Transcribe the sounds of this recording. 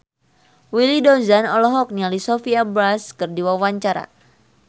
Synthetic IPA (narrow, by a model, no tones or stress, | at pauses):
wilidɔzanɔlɔɦɔk̚nialisɔfiabɾaskɨrdiwawaɲt͡ʃaɾa̰